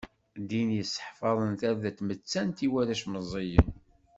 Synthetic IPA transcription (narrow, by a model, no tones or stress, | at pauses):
d̪injəsːħfɑðˤənθæɾðæt̪mət͡sːænt̪iwæɾæʃməzˤijən